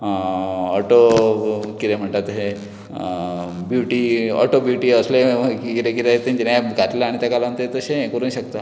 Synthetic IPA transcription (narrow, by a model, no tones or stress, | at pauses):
ɔʈo | kit̪em̤əɳt̪at̪ɦe | bjuʈiɔ̰ʈobjuʈiːəsleikit̪ekit̪eɦet̪ãɲt͡ɕenajɡʱaʈ̪laːɽ̃it̪jakalant̪əet̪əsẽkəɾũːnɕək̚t̪a